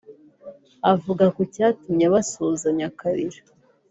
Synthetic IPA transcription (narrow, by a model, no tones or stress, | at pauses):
avuɡakocaːtumɲeβasoːzaɲakaɾiɾa